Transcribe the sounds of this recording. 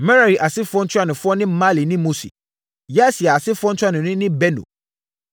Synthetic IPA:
mɛ˦ɾa˨ɾi˨ʔa˨sɪ˦fʊ˦ɔ˦n̩˦t͡ɕʰʊ˦a˦˨nʊ̃˨fʊ˦ɔ˦nɪ̃˦m̩˦ma˦li˨nɪ̃˦mo˦sḭ˨ | jɛ˦si˨ɛ˨a˨sɪ˦fʊ˦ɔ˦n̩˦tʰᶣa˦nʊ̃˨nʊ̃˦nɪ̃˦bɛ˦nṵ̃˨

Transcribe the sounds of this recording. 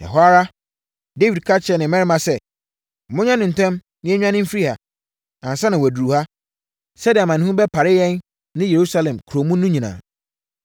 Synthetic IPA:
ɛ̰˨ɦɔ˦a˦ɾa˦ | de˦wi˨d̚kʰa˦t͡ɕʰɛ˨nɪ̃˨mɛ̃˦ɾɪ˦mã˨sɛ˦˨ | mʊ̃˦ɲã˦nɪ̃˨n̩˨tʰɛ̃˦m | nɪ̃˦æ˦ɲᶣ˦ã˦nɪ̃˦m̩˦fi˦i˦ha̰˨ | ã˨n˨sa˦nɪ̃˨wæ˨du˨u˨ha˦ | sɛ˦dɪ˨a˨mã˨ñ˦hũ˦bɛ˦pʰa˨ɾɪ˦jɛ̃˦nː | ɪ̃˦je˨ɾu˦sa˦lɛ̃˨mkʰu˨ɾo˨mũ˦nũ˦ɲĩ˨nã̰ː˨

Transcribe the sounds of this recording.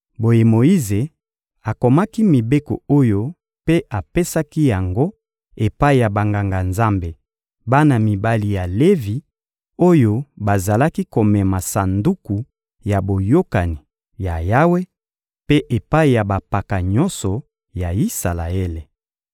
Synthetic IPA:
bo˨je˨mo˨i˦ze˨ | a˨ko˨ma˦ki˦mi˨be˦ko̰˨o˦jo˦ | pe˦ʔa˨pe˦sa˦ki˦ja˨ŋɡo˦ | e˨pa˦i˨ja˨ba˨ŋɡa˨ŋɡa˨nza˦mbe˨ | ba˦na˨mi˨ba˦li˨ja˨le˦vi˨ | o˦jo˦ba˨za˨la˦ki˦ko˨mɛ˨ma˨sa˨ndu˦ku˨ | ja˨bo˨jo˦ka˨ni˨ | ja˨ja˦we˦ | pe˦ʔe˨pa˦i˨ja˨ba˨pa˨ka˨ɲɔ˦nsɔ˨ | ja˨i˦sa˨la̰˨e˦le˨

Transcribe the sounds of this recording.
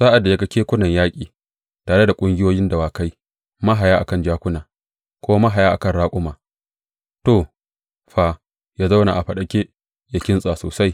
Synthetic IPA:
saː˦ʔa˨dːa˨ja˦ɡɐ˦kʲeː˦kʷʊ˦nɐ˨ɲjaː˦kʲʼiː˨ | taː˨ɽe˦da˨kʷʼʊ˦ŋɡʲɪ˦joː˦jɪ˦ndɐ˨waː˨ka˦j | mɐ˦ɦa˨jaː˦ʔa˨kɐ˦˨nd͡ʒaː˦kʷʊ˦naː˨ | kʷoː˦wma˦ɦa˨jaː˦ʔa˨kɐ˦˨nɽaː˦kʷʼʊ˦maː˨ | to˨ | ɸaː˨ | jaː˦za˦wna̰˨ʔa˨ɸɐ˨ɗɐ˨kʲe˦ | ja˨kʲɪ˦nsʼaː˨soː˨sa˦j

